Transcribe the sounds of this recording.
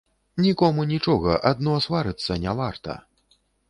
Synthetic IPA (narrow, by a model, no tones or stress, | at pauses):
nʲikɔmunʲit͡ʂɔɣɐʔad̪̚nɔsvaɾɨt̪sːɐnʲavart̪ɐ̰